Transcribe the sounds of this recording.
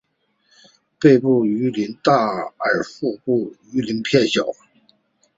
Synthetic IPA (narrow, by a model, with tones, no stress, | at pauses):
pe˥˧ɪpu˥˩y˧˥li˧˥nt̪a˥˩ə˞˨˩fu˥˧pu˥˩y˧˥li˧˥npʰjɛ˥˩nɕjɑ˨˩˦ʊ